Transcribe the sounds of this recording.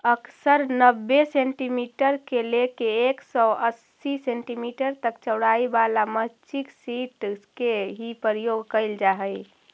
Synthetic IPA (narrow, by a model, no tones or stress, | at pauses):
əksəɾnəbːesẽɳʈimiʈəɾkelekeeksɔəsːisẽɳʈimiʈəɾt̪əkt͡ʃəɽaibalamət͡ʃʰiksiʈkeɦipəɾjoɡkəɪld͡ʒaɦəj